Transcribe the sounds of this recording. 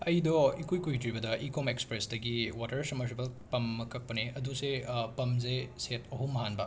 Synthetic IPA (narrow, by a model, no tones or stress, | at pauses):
ɐjdɔikujkujtɾibɐdɐʔikomekspɾesdɐɡiwatɐɾsɐmɐɾsibɐlpɐmːɐkɐk̚pɐneɐdusepɐmzesetʰɐɦumːɐɦanbɐ